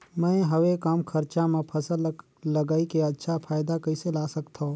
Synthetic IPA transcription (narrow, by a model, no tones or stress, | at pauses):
mɛ̃ːɦəwekaːmkʰəɾt͡ʃamẽpʰəsəl | ləɡaːikeɐtːʃʰapʰaːjɪd̪akəɪselaːsəkt̪ʰõː